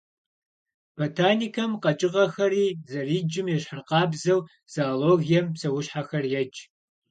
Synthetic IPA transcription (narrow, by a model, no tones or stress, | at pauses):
b̥otʰaːniːkʰɐmqɐt͡ʃʼɪʁɐxɐɾiːzɐriːd͡ʒɪmjɛɕħərqɑːbzɐw | z̥aːloːɣijɛmsɐwʊɕħaxɐrjɛt͡ʃʼ